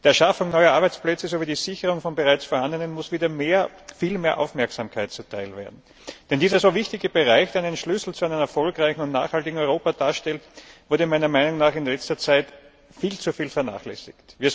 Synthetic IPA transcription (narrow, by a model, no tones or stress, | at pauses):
d̥iːɐʃafʊŋnɔʏɐʔaɐbæɪt͡splɛt͡səzoviːdiːzɪçəʁʊŋfɔnbəʁaɪt͡sfoɐhandənənmʊsv̥iːdɐmeːɐ | fiːlmeːɐʔa̰ʊfmɛɐksaːmkʰaɪt̚t͡sutʰaɪlveːɐdn̩ | d̥ɛndiːzɐsoːvɪçtɪɡəb̥eʁaɪçd̥eɐnənʃlʏsl̩t͡suʊæɪnənɛɐfɔlkʁaɪçn̩ʊntna̰ːχhaltɪɡŋ̩ɔʏʁoːpad̥aːɐʃtɛltvʊɐdɾəmaɪnɐmaɪnʊŋnaːχɪnlɛt͡stɐt͡saɪt | fiːlt͡sufiːlfɛɐna̰ːχlɛ̰sɪ̰ktviːɐ